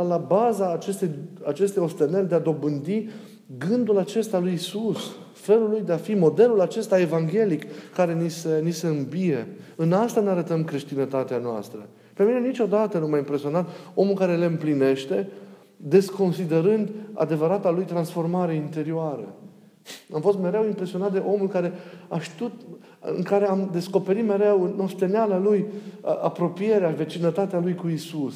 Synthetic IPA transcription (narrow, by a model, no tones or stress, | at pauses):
labazaːt͡ʃst̪ejat͡ʃe̞st̪ejo̞st̪enerʲd̪e̞ad̪o̞bɨnd̪i | ɡɨnd̪ulat͡ʃe̞st̪alujisus | fe̞lulujd̪e̞afimo̞d̪e̞lulat͡ʃe̞st̪ae̞vaŋɡʲe̞likːaɾe̞nisenise̞ɨmbije̞ɨnast̪aneaɾət̪əmkɾe̞ʃt̪inət̪at̪eanoa̰st̪ɾə̰ | pe̞mine̞nit͡ʃo̞d̪at̪ənumajimpɾe̞sio̞nant̪o̞mulkaɾele̞ɨmpline̞ʃt̪e̞ | d̪e̞sko̞nsid̪e̞ɾɨnd̪a̰d̪e̞vəɾat̪alujt̪ɾansfo̞rmaɾeint̪e̞ɾioaɾə̰ | amfo̞st̪me̞ɾe̞wimpɾe̞sio̞nat̪̚d̪e̞ʔo̞mulkaɾe̞aʃt̪iut̪ | ɨ̰ŋkaɾe̞amd̪e̞sko̞pe̞ɾit̪me̞ɾe̞wnːo̞st̪e̞nealalujʔapɾo̞pije̞ɾeave̞t͡ʃinət̪at̪ealujkuisus